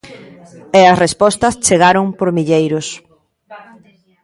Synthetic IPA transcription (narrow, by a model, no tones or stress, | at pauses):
ɛɐsrespɔst̪ɐst͡ʃeɣaɾʊŋpoɾmiʎejɾʊs